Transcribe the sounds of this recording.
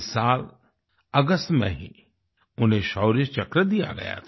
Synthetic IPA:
saːl | əɡəst̪mḛ̃ɦḭ̃ | ʊnɦẽʃɔːɾət͡ʃɐkɾəd̪ija̰ɡɐ̰ja̰t̪ʰ

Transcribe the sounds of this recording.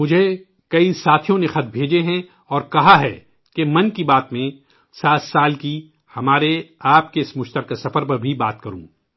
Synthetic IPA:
mʊd͡ʒʱe | kɐisaːt̪ʰijõnexɐt̪̚ʰbʱeːd͡ʒeɦɛ̃ | ɔːɾkɐɦaɦɛ̰ː | kemɐ̃nkibaːt̪mẽ | saːt̪saːlki | hɐmaːɾeaːpkeɪsmʊʃt̪əɾkasɐfəɾp̬ɐɾbʱibaːt̪̚kɐɾṵ̃ː

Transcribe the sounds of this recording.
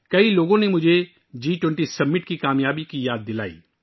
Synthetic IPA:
kɐiloːɡõnemʊd͡ʒʱe | d͡ʒiːʈwɛ̃ɳʈisɐbmːɪʈkikaːmjaːbikijaːd̪ːɪla̰ːḭː

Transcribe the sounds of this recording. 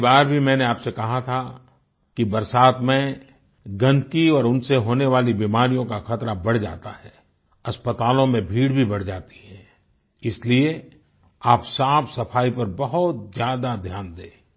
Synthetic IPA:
baːɾbʱimɛ̃ːneaːpsekɐɦat̪ʰa | kibɐɾsaːt̪mẽ | ɡɐ̃nd̪ʱkiɔːɾʊnseɦoːneʋaːlibiːmaːɾijõkaxɐt̪ɾabɐɽ̤d͡ʒa̰ːt̪aɦɛː | ɐspət̪aːlõmẽbʱiːɽbʱibɐɽ̤d͡ʒaːt̪i̥ɦɛ̃ː | ɪslie | aːpsaːpʰsɐfʰaːipɐɾbɐɦʊt̪̚zjaːd̪ad̪ʱjaːnd̪eː

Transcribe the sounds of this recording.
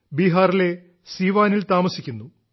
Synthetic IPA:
biːɦaːrile̞ | siːʋaːnilt̪aːmɐsikʲːunːu

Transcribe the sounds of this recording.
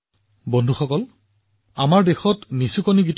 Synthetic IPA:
bɔndʱuxɔkɔl | amaɹdexɔtnisukoniɡit

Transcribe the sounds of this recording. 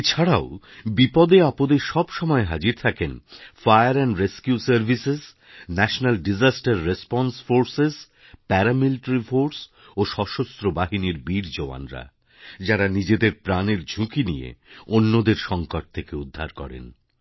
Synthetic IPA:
et͡ɕʰaɽao | bipɔd̪eapod̪eʃɔbʃɔmɔeɦad͡ʑiɾt̪ʰakenfajaɾɛnɾeskjusaɾbʱisez | nɛʃonalɖid͡ʑasʈaɾːespɔnsfoɾsez | pɛɾamilʈɾifoɾs | oʃɔʃost̪ɾobaɦiniɾbiɾd͡ʑoa̰nɾa̰ | d͡ʑaɾanid͡ʑed̪eɾpɾaneɾd͡ʑʱukinḭḛonːod̪eɾʃɔŋkoʈ̚t̪ʰekeud̪ʱːa̰ɾkɔ̰ɾḛn

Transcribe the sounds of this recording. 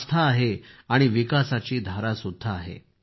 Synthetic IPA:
st̪ʰaːɦeaɽ̃iʋikasat͡ɕiːd̪ʱaɾasud̪ʱːaːɦḛ

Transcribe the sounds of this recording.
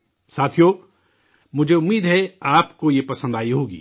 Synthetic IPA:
saːt̪ʰijo | mʊd͡ʒʱeʊmːiːd̪ɦɛaːpkojepɐsə̃nd̪aːiɦoːɡḭː

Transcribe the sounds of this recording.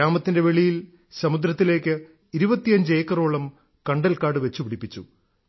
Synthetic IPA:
aːmɐt̪ːinde̞ʋe̞ɭijil | sɐmud̪ɾɐt̪ːile̞ːkːɨ | iɾubɐt̪ːijɐɲd͡ʑɨeːkːɐroːɭɐm | kɐɳɖɐlkaːɽɨʋe̞t͡ɕːupiɽipːit͡ɕːṵ

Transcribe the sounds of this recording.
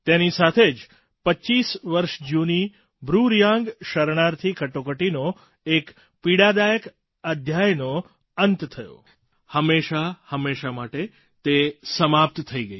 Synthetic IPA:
t̪enisat̪ʰed͡ʒ | pət͡ʃːisʋəɾʃd͡ʒuni | bɾuɾjãŋɡʃəɾɳaɾt̪ʰikəʈokəʈino | ek | piɽad̪ajək | əd̪ʱjajno | ənt̪t̪ʰəjo̰ | həmːeʃahəmːeʃamaʈe | t̪esəmap̚t̪t̪ʰəiɡəi

